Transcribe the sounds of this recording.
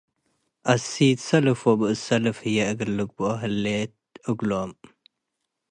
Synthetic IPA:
ʔɐsit̪sɐlɨfobɨʔɨsɐlɨfɨjɛʔɨɡɨlːɨɡ̚bɨʔoɦɨlːet̪̚ | ʔɨɡlom

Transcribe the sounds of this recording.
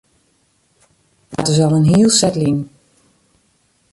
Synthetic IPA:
ha̰təzɔlˠənɦiəlˠsɛtlin

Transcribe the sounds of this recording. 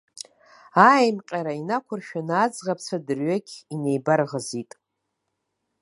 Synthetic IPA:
ajmqʲʼaɾainakʷʰʊrʃᶣanaːd͡zʁapʰt͡sʷʰadɨrɥakʲʰʼinejbarʁəzitʼ

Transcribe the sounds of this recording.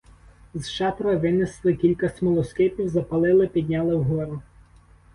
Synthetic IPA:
zʃɑp̪ɾɐʋɪnɪslˠɪkʲilʲkɐsʲmɔlˠɔskɪpʲiwzɐpɐlˠɪlˠɪpʲid̪ʲnʲɑlˠɪwɦɔɾʊ

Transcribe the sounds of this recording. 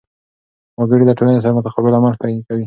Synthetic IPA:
məɡəɽid̪əʈolanes̬aɾamʊt̪aqɑbɪlamalt̪ainkawi

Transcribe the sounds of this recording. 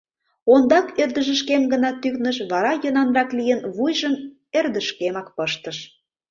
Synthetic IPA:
ond̪ɑkørd̪ə̆ʒə̆ʃkemɡənɑt̪yknəʃβɑɾɑjønɑnrɑklijənβujʒəm | erd̪əʃkemɑkpəʃt̪əʃ

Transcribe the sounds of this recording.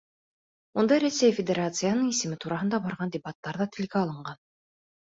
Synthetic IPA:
mund̪ɑɾæsʲæjfʲɪdʲeɾat̪sɨjanɤɴisɘ̆mɘt̪uɾɑɦɤnd̪ɑbɑɾʁɑnd̪ʲebɑt̪ːɑɾðɑt̪ʰɘ̆lɡæɑlˠɤ̆ɴɢɑn

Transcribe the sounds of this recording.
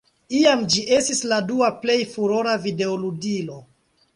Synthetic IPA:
iamd͡ʒiʔe̞stisladuaple̞jfuɾoɾavide̞oluɡilo̞

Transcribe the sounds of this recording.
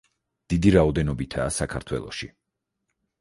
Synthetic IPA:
d̪̥id̪iɾaɔd̪ɛnɔbit̪ʰaːsakʰa̰ɾt̪ʰwɛ̰lˠɔ̰ʃḭ

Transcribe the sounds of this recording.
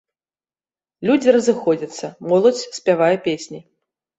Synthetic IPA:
lʲud͡zʲiɾɐzɨxɔd͡zʲɐt̪sːɐmɔlˠɐt͡sʲsʲpʲavajɛpʲesʲnʲi

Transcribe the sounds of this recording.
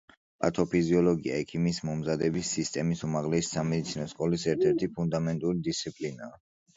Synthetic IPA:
pʼat̪ʰɔpʰiziɔlɔɡia̰ɛkʰimismɔmzad̪ɛbisːist̪ʼɛmisumaʁlɛsi̥samɛd̪it̪sʰinɔskʼɔlisɛɾt̪ʰɛɾt̪ʰipʰund̪amɛnt̪ʼuɾid̪ist̪sʰipʼlinaː

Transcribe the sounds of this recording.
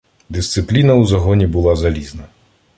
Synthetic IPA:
d̪ɪst̪sɪplʲinɐwzɐɦɔnʲibʊlˠazɐlʲiznɐ

